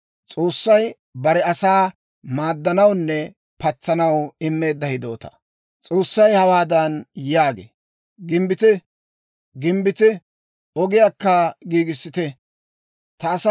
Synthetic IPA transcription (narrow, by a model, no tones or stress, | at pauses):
t͡sʼo̞ːsːɐj | bɐɾɛɐsaː | maːd̪ːɐnɐwnːɛ | pɐt͡sːɐnɐwɪmːe̞ːd̪ːɐhɪd̪o̞̰ːt̪ɐ̥ | t͡sʼo̞ːsːɐjhɐwaːd̪ɐnjaːɡḛː | ɡɪmbɪt̪ɪ | ɡɪmbɪt̪ɪ | ɔɡɪjaːkːɐɡiːɡɪsːɪt̪ɛ | t̪ɐːs